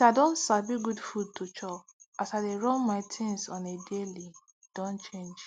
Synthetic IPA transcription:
iaɪdõnsabiɡudfud̚tʰot͡ʃɔasaɪdeɹɔ̃nmaɪtʰɪ̃nsɔ̃nedeli | d̥õnt͡ʃẽnd͡ʒ

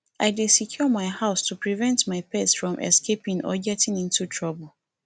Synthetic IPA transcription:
aɪdesikʰjɔmaɪhaʊstʰupɹivɛ̃ntmaɪpɛsfɹɔ̃mʔɛ̰skepĩŋʔɔ̰ɡɛtĩnĩntutʰɹɔbəl̩

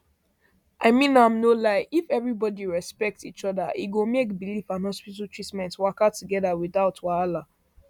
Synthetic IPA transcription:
ʔaɪmĩnãmnolaɪʔifɛvɹibɔdiɹɛspɛk̚tsit͡ʃɔða̰ʔḭɡomekbilifãnhɔspitatʰɹ̥itmɛ̃ntwakatuɡɛðawiðaʊtwaala

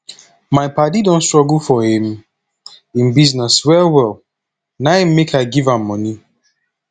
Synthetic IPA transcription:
maɪpat̬idõnstɹɔɡulfɔhĩm | ĩnbiznɛswɛlwɛlˠ | nãmmekʰaɡivãmːɔni

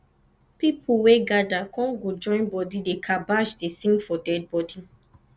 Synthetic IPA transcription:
pipʰuweɡadakʰɔ̃nɡod͡ʒɔ̃ɪ̃nbɔdidekʰabaʃdesĩŋɡfɔdɛd̚bɔdi

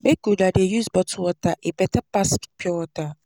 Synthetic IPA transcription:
bekudadejusbɔtʰwɔtaʔepɛtapaskpʰjɔwɔta

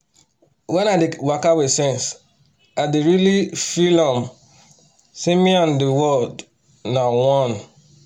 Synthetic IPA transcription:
wɛ̃nadewakawesɛ̃ns | adeɹilifilɔ̃m | sĩmĩɔ̃ndewɔld | nawɔ̃n

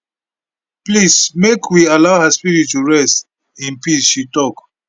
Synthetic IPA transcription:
plismekʰwialaʊhaspiɹittːuɹɛst | ĩnpisʃitɔk

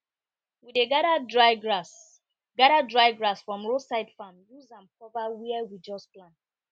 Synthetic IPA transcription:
wideɡaɾadɹaɪɡɹas | ɡaɾadɹaɪɡɹasfɹɔ̃mɹosaɪtfãnjuzãnpɔvawiɛwid͡ʒɔsplãn

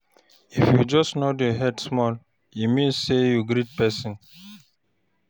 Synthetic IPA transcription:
ifjud͡ʒɔstnodjɔɦɛdsmɔl | imĩnsːejuɡɾit̚pɛsĩn

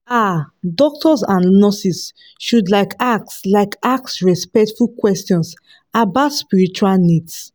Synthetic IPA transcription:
adɔk̚tʰɔsãnnɔsis | ʃudlaɪkak̚slaɪkak̚sɹɛspɛktfulkwɛstiɔ̃ns | abatspiɹit͡ʃualnids

